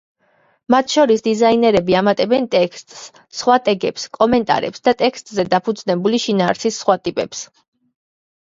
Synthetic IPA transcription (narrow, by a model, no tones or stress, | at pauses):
mat̪ʰʃɔɾisd̪izainɛɾɛbiamat̪ʼɛbɛnt̪ʼɛkʰst̪ʼsː | χwat̪ʼɛɡɛpskʼɔmɛnt̪ʼa̰ɾɛ̰psd̪at̪ʼɛkst̪ʼzɛd̪apʰud̪znɛbuliʃinaːɾsisːχwat̪ʼipʼɛps